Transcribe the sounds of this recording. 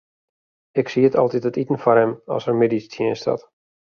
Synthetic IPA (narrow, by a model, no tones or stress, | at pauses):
ɪksiətʰɔlˠtitətitən̩fɔrɛmɔ̰sərmedistʰjɪənstʰɔ̰t